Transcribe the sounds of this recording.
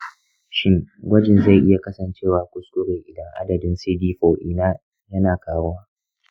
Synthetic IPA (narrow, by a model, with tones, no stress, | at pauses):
ʃɪ˦ŋɡʷɐ˦d͡ʒɪ˨nza˦˨jʔɪ˦ja˨kɐ˦sɐ˨nt͡ʃeː˦˨waː˨kʷʊ˦skʷʊ˦ɾe˨ʔɪ˨dɐ˦ŋʔa̰˦dɐ˨dɪ˦nsiː˦diː˦ɸoː˨ʔɪ˦naː˦ | jɐ˦naː˨kaː˦wo˦waː˦